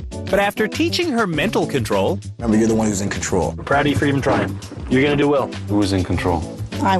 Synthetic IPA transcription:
b̥ʌɾæftə˞tʰit͡ʃɪ̃ŋə˞mɛ̃ntˡl̩ˠkʰɨ̃ntʰɹ̥oʊlˠ | mɛ̃mbə˞jə˞ðəwʌ̃nhuzɨ̃nkʰn̩tʰɹ̥o̰ʊlˠpʰɹ̥aʊəɾifə˞ivɨ̃ntʰɹ̥aɪɪ̃ŋ | jə˞ɡʌnɨdɨwɛlˠ | huʌzɨ̃nkʰn̩tʰɹ̥oʊlˠaɪ

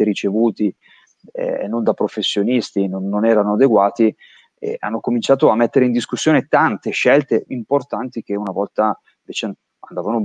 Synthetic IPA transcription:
eɾit͡ʃevuːt̪i | ɛ̰nːond̪apɾofesːjonist̪inonːonɛːɾanoad̪eɡwaːt̪i | ḛa̰nːokomint͡ʃaːt̪oamːet̪ːeɾeind̪iskusːjoːnet̪ant̪eʃːɛlt̪eʔimport̪ant̪ik̟eunavɔlt̪a | iɱveːt͡ʃe | and̪aːvano

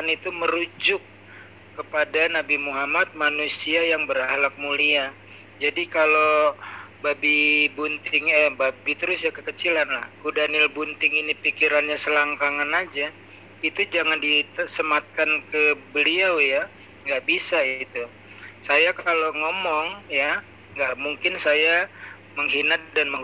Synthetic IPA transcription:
anit̪uməɾud͡ʒʊkː | əpadanabimuɦamat̪̚manusiajaŋbəɾahlak̚mulia | d͡ʒadikalo | babibunt̪ɪŋəbabit̪əɾʊsjakəkət͡ʃilanla̰hkudanɪlbunt̪ɪŋinipikiɾanɲasəlaŋkaŋanad͡ʒa | it̪ud͡ʒaŋandisəmat̪̚kankəbəliawja | ŋɡaʔbisait̪u | sajakaloŋomɔŋja | ŋɡaʔmuŋkɪnsaja | məŋɦinat̪̚danməŋ

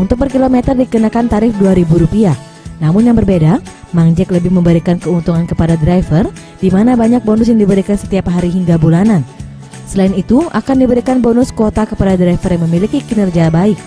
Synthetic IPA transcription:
ʔunt̪ʊk̚pərkilomɛt̪ərdikənakant̪aɾɪfduaɾibuɾupia | namʊnjaŋbərbeda | maŋd͡ʒɛkləbɪhməmbəɾikankəunt̪uŋankəpadadɾajfər | d̥imanabaɲak̚bonʊs̬jaŋdibəɾikansə̥t̪iapɦaɾiɦiŋɡabulanan | səlainit̪uʔakandibəɾikanbonʊskot̪akəpadadɾaifərjaŋməmilikikinərd͡ʒiabaɪk̚

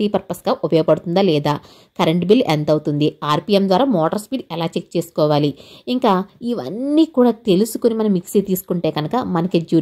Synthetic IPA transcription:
iːpɐɾpɐsɡaːʔɔpɐjɐːɐpɐɽut̪und̪aːlɛːd̪aː | kɐɾeɳʈbilːent̪ɐwut̪und̪iaːɾpiːemd̪ʋaːɾaːmɔːʈɐɾspiːɖɛlaːt͡ʃek̚t͡ʃe̞ːsu̥kɔːʋaːliiŋkaːiʋɐ̰nːiːkuːɽaːt̪e̞lusu̥konimɐnɐmːiksit̪iːsu̥kuɳʈeːɡɐnukɐmɐnɐkid͡ʒuː

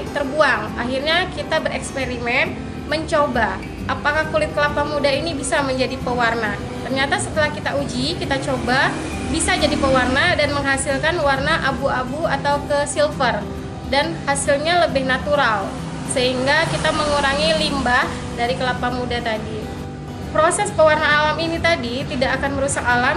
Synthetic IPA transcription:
t̪ərbuaŋaɦirɲakit̪abəɾɛkspeɾimɛn | məɲt͡ʃoba | ʔapakahkulɪt̪̚kəlapamudainibisaməɲd͡ʒadipəwarna | t̪ərɲat̪asət̪əlahkit̪aud͡ʒikit̪at͡ʃoba | bisad͡ʒadipəwarnadanməŋɦasilkanwarnaʔabuabuat̪aukəsilfər | danhasilɲaləbɪhnat̪uɾal | səɦiŋɡakit̪aməŋuɾaŋilimba | daɾikəlapamudat̪adi | pɾosɛspəwarnaːlaminit̪adit̪idakːkanməɾusakalam

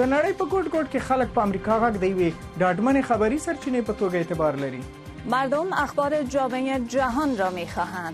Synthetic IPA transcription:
d̪ənaɽəjpəɡoɖɡoɖkexalək̚pəamɾikɑɣaɡd̪əjawe | ɖɑʈmanexabaɾisaɾt͡ʃinepət̪oɡaet̪ɪbɑɾlaɾi | maɾd̪ʊmaxbɑɾɪd͡ʒɑmeed͡ʒaɦɔnɾɔmexɑɦãnd̪

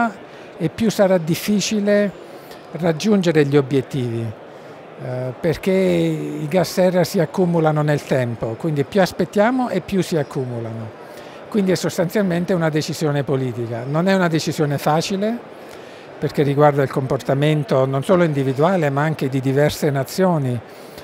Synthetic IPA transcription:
epːjusaɾad̪ifːiːt͡ʃile | rad͡ʒːund͡ʒeɾeʎiobjet̪ːiːvi | perk̟eiɡasːɛrːasiakːumulanonelt̪ɛmpokwind̪ipjuaspet̪ːjaːmoʔepːjusːiakːuːmulano | kwind̪iɛsːost̪ant̪sjalment̪eunad̪et͡ʃiz̥joːnepoliːt̪ikanonɛunad̪et͡ʃizjoːnefaːt͡ʃile | perkerːiɡward̪ailkomport̪ament̪ononsoːloind̪ivid̪uaːlemaaŋk̟ed̪id̪ivɛrsenat̪sːjoːni

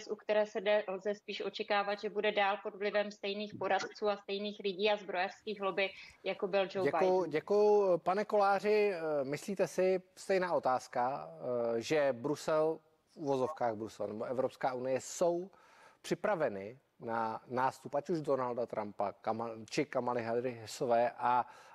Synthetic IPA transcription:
sʔukt̪ɛɾɛːsɛdɛlzɛspiːʃʔo̞t͡ʃɛkaːvat̪ʒɛbudɛdaːlpo̞dvlɪvɛmst̪ɛjniːxpoɾat̪t͡suːast̪ɛjniːxlɪɟiːazbɾojɛfskiːɣɦlobɪjakobɪld͡ʒowɛbajʊɟɛkujʊpanɛko̞laːr̝ɪmɪsliːt̪ɛsɪst̪ɛjnaːʔo̞t̪aːska | ʒɛbɾusɛl | fʔuvo̞zo̞fkaːɣbɾusɛla̰nɛbo̞ʔɛvɾo̞pskaːunɪjɛso̞w | pr̝̥ɪpɾavɛnɪ | nanaːst̪upʔacuʒdo̞naldat̪ɾʔampakamat͡ʃɪkamalɪɦad̪ɾɪɦɛsovɛːʔa

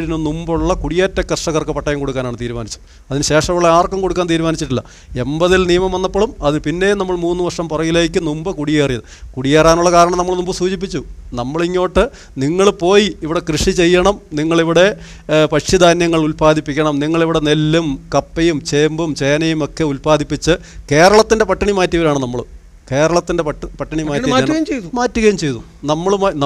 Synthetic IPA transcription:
ɽinonumbuɭːɐkuɽijeːtːɐkɐrʂɐɣɐrkɨpɐʈːɐjɐmko̞ɽukːaːnaːɳɨt̪iːɾumaːnit͡ɕːu | ɐðinɨɕe̞ːʂɐmuɭːɐaːrkːɐmko̞ɽukːaːnt̪iːɾumaːnit͡ɕːiʈːilːɐ | e̞mbɐðilnijɐmɐmʋɐnːɐpːoːɭumɐðinɨpinːe̞jnɐmːɐɭmuːnːɨʋɐrʂɐmpurɐɣile̞ːkːɨnumbɐkuɽijeːrijɐðɨkuɽijeːraːnuɭːɐkaːɾɐɳɐmnɐmːɐɭnumbɐsuːt͡ɕip̬ːit͡ɕːunɐmːɐɭiŋːo̞ːʈːɨ | niŋːɐɭpo̞ːjiːʋiɽe̞krɨʂit͡ɕe̞jːɐɳɐmniŋːɐɭiʋiɽe̞ | pɐʂid̪aːnjɐŋːɐɭulpaːd̪ʱipːikʲːɐɳɐmniŋːɐɭiʋiɽe̞ne̞lːumkɐpːɐjumt͡ɕe̞ːmbumt͡ɕeːnɐjumo̞kːe̞ulpaːd̪ʱipːit͡ɕːɨke̞ːɾɐɭɐt̪ːinde̞pɐʈːɐɳimaːtːiʋɐɾaːɳɨnɐmːɐɭ | ke̞ːɾɐɭɐt̪ːinde̞pɐʈːɐɳimaːiɐaːɣɐjɐmt͡ɕejt̪umaːtːuɣɐjɐmt͡ɕejðu | nɐmːɐɭmn

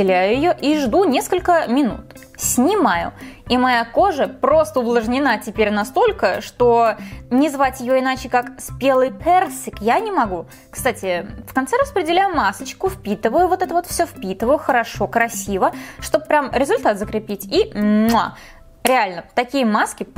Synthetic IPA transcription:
ɪlʲæjʊjɪjo̞ʔiʐd̪unʲeskəlʲkəmʲɪnṵt̪ | sʲnʲɪmajʊ̰imɐjako̞ʐəpɾo̞st̪əʊblˠəʐnʲɪnatʲɪpʲeɾʲnɐst̪o̞lʲkəʂt̪o̞nʲɪzvatʲjɪjoɪnat͡ɕɪkakspʲelˠɨjpʲersʲɪkjanʲɪmɐɡu | kst̪atʲɪfkɐnt̪sɛɾəspɾʲɪdʲɪlʲajʊmasət͡ɕkʊfpʲit̪ɨvəjʊvo̞t̪ɛt̪əvot̪fsʲofpʲit̪ɨvəjʊxəɾɐʂo̞kɾɐsʲivəʂt̪o̞b̚pːɾʲamɾʲɪzʊlʲt̪at̪zəkɾʲɪpʲitʲia | ɾʲɪalʲnət̪ɐkʲijəmaskʲɪ

